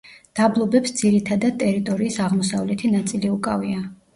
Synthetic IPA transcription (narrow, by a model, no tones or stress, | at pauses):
d̪̥ablˠɔbɛpsd̪z̥iɾit̪ʰad̪ad̪̚t̪ʼɛɾit̪ʼɔɾiːsaʁmɔsavlɛt̪ʰinat̪sʼiliukʼavia